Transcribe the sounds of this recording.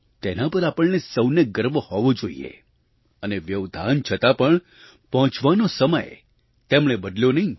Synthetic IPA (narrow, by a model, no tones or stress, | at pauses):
t̪enapəɾapəɭnesəwneɡəɾʋhɔʋod͡ʒoḭḛ | əneʋjəʋd̪ʱa̰nt͡ʃʰət̪apəɳ | pɔɦɔ̃t͡ʃʋanosəmə̰j | t̪emɳ̃ebəd̪ljonəɦĩ